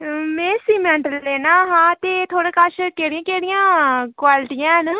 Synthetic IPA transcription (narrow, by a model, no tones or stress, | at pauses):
mẽːsiːmɛ̃ːɳʈəlːeːnaːɦãːt̪eːt̪ʰoːɽãːkaʃkeːɽɪãːkeːɽɪjãːkwaːlɪʈijãːɦn